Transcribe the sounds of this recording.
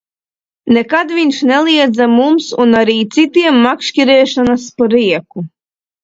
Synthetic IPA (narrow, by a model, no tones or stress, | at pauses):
nɛkad̪vʲiɲʲʃnɛlˠiɛd̪zamumsunaɾiːt̪sit̪iɛmːakʃkʲiɾɛːʃanaspɔɾiɛku